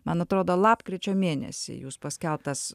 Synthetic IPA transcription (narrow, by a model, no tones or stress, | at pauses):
mɐnɐt̪ɾoːd̪oːlˠɑːpkɾʲɪt͡ʃʲoːmʲeːnʲɛ̰sʲḭːjuːspɐsʲkʲɛlˠpt̪ɐs